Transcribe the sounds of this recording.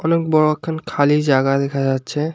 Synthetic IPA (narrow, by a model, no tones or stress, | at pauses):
ɔnek̚bɔɹoɛkʰːankʰalid͡ʑaɡad̪ɛkʰad͡ʑatːɕʰe